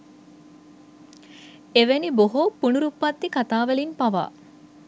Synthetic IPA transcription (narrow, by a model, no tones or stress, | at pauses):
eʋeniboɦopːunuɾupːɐt̪ːikat̪aːʋelinpɐʋa̰ː